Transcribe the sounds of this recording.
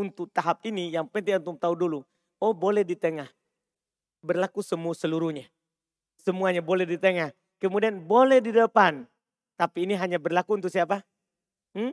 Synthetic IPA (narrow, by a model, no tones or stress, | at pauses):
unt̪ʊk̚t̪aɦap̚inijaŋpɛnt̪ijant̪ʊŋt̪audulu | obolɛhdit̪əŋah | bərlakusəmuasəluɾuhɲa | səmuaɲabolɛhdit̪əŋah | kəmudianbolɛhdidəpan | t̪apiːniɦaɲabərlakuːnt̪̬ʊk̚siap̬a | m̩